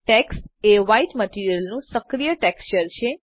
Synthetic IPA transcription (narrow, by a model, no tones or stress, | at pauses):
ʈɛːksʈeːʋaiʈməʈiːɾijəlnũsəkɾijəʈɛːkst͡ʃəɾt͡ʃʰe